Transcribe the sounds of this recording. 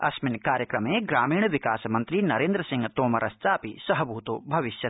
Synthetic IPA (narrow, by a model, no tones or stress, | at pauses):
ɐ̰smɪnkaːɾjəkɾɐmẽːɡɾaːmiːɳ̃ʋɪkaːsmɐ̃nt̪ɾinɐɾẽːnd̪ɾəsɪ̃ŋɡt̪oːmɐɾʔɐst̪aːpisɐɦɐbʱuːt̪oːbʱɐʋɪʃjɐ